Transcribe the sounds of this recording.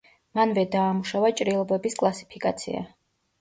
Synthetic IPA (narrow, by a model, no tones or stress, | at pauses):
manvɛd̪aːmuʃavat͡ʃʼɾilˠɔbɛbiskʼlˠasi̥pʰikʼat̪sʰḭa̰